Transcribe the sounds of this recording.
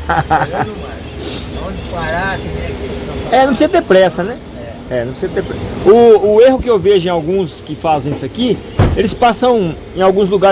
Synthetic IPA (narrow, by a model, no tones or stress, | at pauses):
aa | õd͡ʒpaɾat̪ẽkesɐ̃ɛñpɾsizɐt̪eɾpɾɛsɐnɛ | ɛ | ɛnɐ̃pɾsizɐt̪eɾpɾɛʊːeɦʊkɪewveʒʊẽawɡũskɪfazẽisɐki | elɪspasɐ̃w̃ | ẽj̃awɡũzluɡa